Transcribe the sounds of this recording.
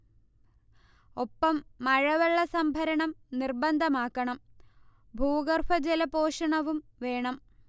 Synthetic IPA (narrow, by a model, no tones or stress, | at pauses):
o̞pːɐmːɐɻɐʋɐɭːɐsɐmbʱɐɾɐɳɐmnirbɐnd̪ʱɐmaːkːɐɳɐm | bʱuːɣɐrfʰɐd͡ʑelɐpo̞ːʂɐɳɐʋumʋe̞ːɳɐm